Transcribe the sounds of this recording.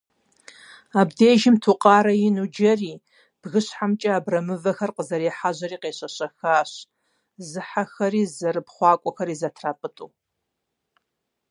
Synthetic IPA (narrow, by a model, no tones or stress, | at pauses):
aːbdeːʒɪmtʰuqʼɑːɾɐjɪnud͡ʒɐriː | b̥ɣɨɕħamt͡ʃʼɐaːbrɐmɨvɐxɐrqəzɐɾeːħaʑɐriːqeːɕɐɕɐxaːɕ | zɨħaxɐriːzɐrɨpχʷɑːkʷʼɔxɐɾiːzɐtʰraːpʼɨtʼuː